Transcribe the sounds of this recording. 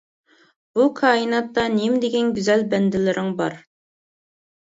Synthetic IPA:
b̥ukʰɑːinɑt̪ːɑnimd̪eɡʲɛnɡʲyzɛlbɛnd̪ɪlɪɾʔɪŋbɑ̰ɾ

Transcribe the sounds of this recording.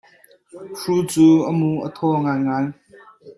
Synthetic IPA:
ruːt͡suːʔəmuʔət̪ʰɔŋaːjŋaːj

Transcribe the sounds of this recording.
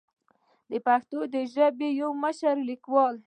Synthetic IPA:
d̪əpaxt̪od̪əʒəbejawməʃaɾlikwɑl

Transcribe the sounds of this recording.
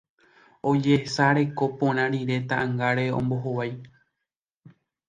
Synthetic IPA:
o̞d͡ʒesaɾe̞ko̞põɾ̃ãɾiɾe̞t̪aʔãŋɡaɾe̞õ̰mbo̞ɦowaj

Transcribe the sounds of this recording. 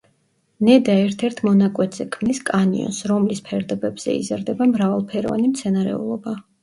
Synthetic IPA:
nɛd̪aɛɾt̪ʰɛɾt̪ʰmɔnakʼwɛt̪zɛkʰmniskʼanḭɔ̰nsɾɔmlispʰɛɾd̪ɔbɛbz̥ɛ̰ḭzaɾd̪ɛbamɾavalˠpʰɛɾɔ̰va̰nimt̪sʰɛnaɾɛ̰ṵlˠɔba

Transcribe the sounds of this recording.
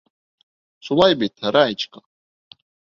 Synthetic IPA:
sʰʷulajbetʰaɾajt͡ʃʰʼkʼḁ

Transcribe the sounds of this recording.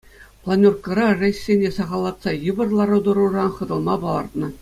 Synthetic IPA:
plˠɑnʲorkɤ̆ɾɑʐeɕːʲenʲesɑʁɑlˠːɑt̪sɑjɯbɤ̆rlˠɑɾɤd̪ɤ̆ɾurɑnχɤ̆d̪ɤ̆lˠmɑbɑlˠɑrt̪nɤ̆

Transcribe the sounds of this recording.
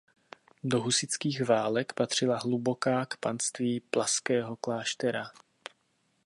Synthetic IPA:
do̞ɦusɪt͡skiːɣvaːlɛkpat̪r̝̥ɪlaɦlubo̞kaːkpanst̪viːplaskɛːɦo̞klaːʃt̪ɛɾa

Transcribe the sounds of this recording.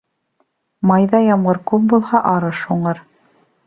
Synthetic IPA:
mɑjðɑjɑmʁɤɾkup̚bulˠhɑʔɑɾɤʃhuɴɤɾ

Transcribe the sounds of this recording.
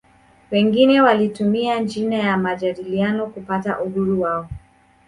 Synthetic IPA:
wɛŋɡinɛwalitumiand͡ʒinajamaʄaɗilianɔkupata̰ʔuhuɾuwaɔ

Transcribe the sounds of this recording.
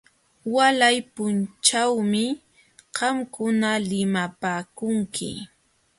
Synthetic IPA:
walajpʊnt͡ʃawmɪ | ɢɑmkʊnalɪmapaːkʊŋkʰɪ̰

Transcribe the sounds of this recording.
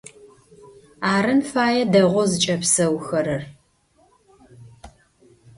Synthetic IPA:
aːɾɨnfaːjɛdɐʁʷɔzɨt͡ʃʼɐpsɐwxɐɾɐr

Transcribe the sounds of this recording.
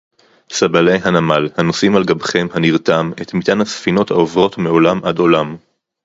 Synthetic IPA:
sabalejɦanamalhano̞simalɡabχe̞mhaniʁt̪ame̞t̪mit̪anhasfino̞thaovʁo̞tmeo̞lamʔado̞lam

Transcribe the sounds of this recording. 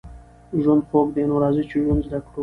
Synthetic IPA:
ʒwʊnd̪̚χokd̪enoɾɑːzit͡ʃiʒunzd̪akɽu

